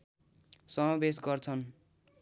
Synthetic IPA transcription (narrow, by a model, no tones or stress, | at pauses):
sʌmʌbesɡʌrt͡sʰʌn